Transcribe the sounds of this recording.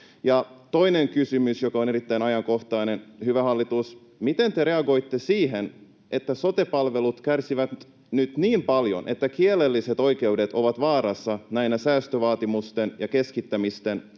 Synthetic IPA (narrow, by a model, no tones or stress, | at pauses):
jɑt̪o̞ineŋkysymysjokɑoneɾit̪ːæinɑjɑŋko̞xt̪ɑinenhyʋæhɑlːit̪us | mit̪e̞nt̪eɾe̞ɑɡo̞ijt̪ːe̞siːɦen | ʔe̞t̪ːæso̞t̪epɑlʋe̞lut̪kærsiʋæt̪ | nyt̪niːmpɑljo̞̰nʔḛt̪ːækielːelːiset̪o̞ike̞ude̞t̪oʋɑt̪ʋɑːɾɑsːɑnæinæsæːst̪øʋɑːt̪imust̪enjɑke̞skit̪ːæmist̪e̞n